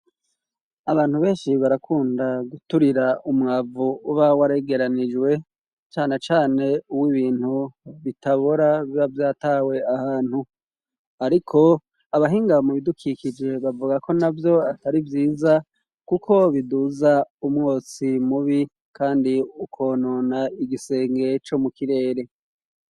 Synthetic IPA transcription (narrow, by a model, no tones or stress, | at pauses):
aβaːn̥huβe̞ːnʃiβaɾakʰuːndaɡutuɾiɾaumŋaːvuuβawaɾe̞ɡe̞ɾanid͡ʒwe̞ | t͡ʃaːne̞t͡ʃaːne̞uwiβiːn̥huβitaβoɾaβiβavjaːtaːwe̞ahaːn̥hu | aɾikʰo̞ | aβaɦiːŋɡamuβidukʰikid͡ʒe̞βavuɡakʰo̞navjo̞ataɾivjiːza | kukʰo̞βiduːzaumŋo̞ːt͡simuβi | kʰaːndiukʰo̞ːnonaiɡise̞ːŋɡe̞t͡ʃo̞mukiɾe̞ːɾe̞